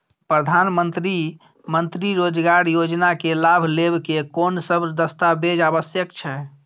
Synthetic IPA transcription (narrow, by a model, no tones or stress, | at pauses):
pɾəd̪ʱanmənt̪ɾi | mənt̪ɾiɾod͡ʒɡaɾjod͡ʒnakelabʱlebkekonsəbd̪əst̪abed͡ʒaβəsjəkt͡ʃʰɛ